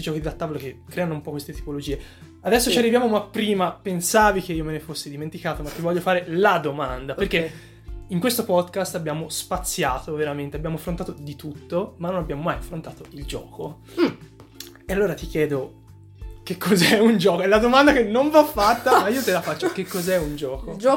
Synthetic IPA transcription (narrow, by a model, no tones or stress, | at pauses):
ut̪id͡ʒɔːkid̪at̪ːaːvolek̟ekːɾɛːanoumpɔkwest̪et̪i̥polod͡ʒiːe | ad̪ɛsːot͡ʃiarːivjaːmomapːɾiːmapensaːvikeiːomenefosːed̪iment̪ikaːt̪omat̪ːivɔʎːofaːɾelad̪omand̪appeɾrkːe | iŋkwest̪opɔd̪kast̪abːjaːmospat̪sːjaːt̪oveɾament̪eabjaːmoafɾont̪aːt̪od̪it̪ut̪ːomanːonabjaːmomajafɾont̪aːt̪oild͡ʒɔ̰ːko | ealːoːɾat̪ik̟jɛːd̪o | kekːɔzɛund͡ʒɔːkoɛlad̪omand̪akenːoɱvafːat̪ːamaiːot̪elafat͡ʃːokekːɔzɛund͡ʒɔːkod͡ʒ